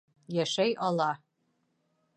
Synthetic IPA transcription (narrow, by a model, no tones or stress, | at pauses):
jæʃæjʔɑlˠɑ